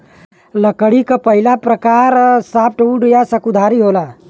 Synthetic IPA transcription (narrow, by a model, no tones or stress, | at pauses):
ləkəɽikapəɦɪlapɾəkaːɾsaːp̚ʰʈuːɖjasəkud̪ʱaːɾiɦoːlaː